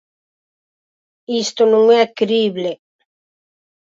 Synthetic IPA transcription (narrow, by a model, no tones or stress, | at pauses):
ist̪onũŋɛakɾiβle